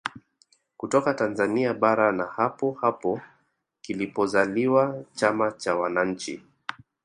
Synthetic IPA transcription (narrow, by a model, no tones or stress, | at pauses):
kutɔkatanzaniaɓaɾanahapɔhapɔ | kilipɔzaliwat͡ʃamat͡ʃawanaɲ̩t͡ʃḭ